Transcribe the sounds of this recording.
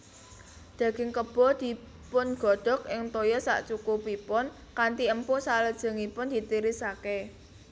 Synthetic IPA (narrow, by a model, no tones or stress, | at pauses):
d̪̥a̤ɡ̥ɪŋkəb̥ɔd̪̥i̤ | pʊnɡ̥ɔ̤ɖ̥ɔ̤kʔɪŋt̪ojɔsa̰ʔt͡ʃukupipʊn | kant̪iəmposaləd̥ʒ̥ə̤ŋipʊnd̪̥i̤t̪iɾɪsake